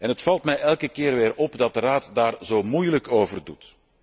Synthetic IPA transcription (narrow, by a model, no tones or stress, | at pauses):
ɛnɦətfɑlˠtmɛjʔɛlˠkəkɪːrʋɪːɾɔpdɑt̚dəraːtdaːrzoːmujləkoːvərdut